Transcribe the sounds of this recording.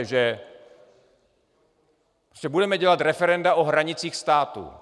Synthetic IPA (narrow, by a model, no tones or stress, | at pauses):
ʒɛ | pɾoscɛbudɛmɛɟɛlat̪ɾɛfɛɾɛndaʔoɦɾaɲɪt͡siːxst̪aːt̪ṵ